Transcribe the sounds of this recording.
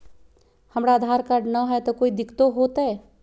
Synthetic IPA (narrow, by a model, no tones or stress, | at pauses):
hɐmɽaːd̪ʱaːɾkaɾɖnɐɦɛt̪okoːid̪ɪkʰt̪oɦoːt̪ɦɛ